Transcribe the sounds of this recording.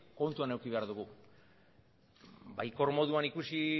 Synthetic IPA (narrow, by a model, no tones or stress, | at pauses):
ko̞nt̪uane̞wkiβ̞eaɾðuɣu | bajko̞ɾmo̞ðuanikusi